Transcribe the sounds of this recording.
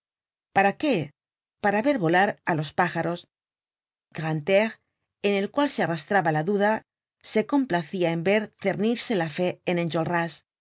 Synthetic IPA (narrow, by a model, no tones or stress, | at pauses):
paɾake̞ | paɾaβe̞ɾβo̞laɾalo̞spaxaɾo̞s | ɡʁant̪eʁ | ene̞lkwalsearast̪ɾaβalaðuða | se̞ko̞mplaθiae̞mbe̞ɾθe̞ɾniɾse̞lafe̞enenʲd͡ʒolras